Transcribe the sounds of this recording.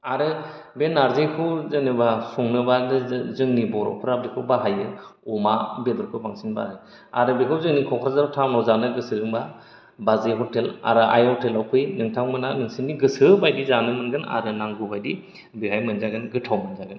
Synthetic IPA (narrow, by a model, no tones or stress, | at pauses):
aɾɯbenaɾzejkʰɯzɯnɯbasuŋnɯbadɯzɯŋnibɔɾɔ̰pʰɯɾab̚dikʰɯwbaɦajɯɔmabedɔɾkʰɯbaŋsinba̰haj | a̰ɾɯbekʰɯwzɯŋnikʰɔkʰɾazaɾtʰawnɔzanɯɡɯsɯɾɯŋba | bazeɦɔtela̰ɾɯʔa̰jɔtelawpʰɯjnɯŋtʰaŋmɯnanɯŋsinːiɡɯsɯbajdizanɯmɯnɡɯna̰ɾɯnaŋɡubajdi | biɦajmɯnzaɡɯnɡɯtʰawmɯnzaɡɯn